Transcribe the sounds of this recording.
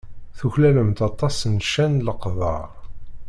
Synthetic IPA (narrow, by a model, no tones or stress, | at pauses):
θuçlæləmt̪ɑt̪ˤːɑsnʃænləqðˤɑ̰ɾ